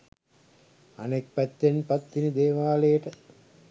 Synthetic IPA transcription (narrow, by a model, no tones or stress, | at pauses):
ɐ̰nek̚pæt̪ːenpɐt̪ːinid̪eːʋaːlejəʈə